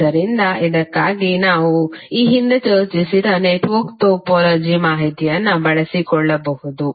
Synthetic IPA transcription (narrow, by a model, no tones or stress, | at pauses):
ɐɾind̪ɐid̪ɐkːaːɡinaːʋuiːɦind̪et͡ʃɐːɾt͡ʃisid̪ɐneːʈʋɐɾkʈoːpɔːlɐːd͡ʒimaːɦit̪ijɐnːɐbɐɭɐsikɔɭːɐbɐhud̪u